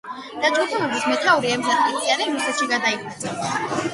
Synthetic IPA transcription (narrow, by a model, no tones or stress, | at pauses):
d̪̥ad͡ʒɡut̪ʰɛlɔbismɛt̪ʰauɾiɛmzat̪it̪iaɾɛmisɛʃiɡad̪aipʰuɾd̪sʰʼɛs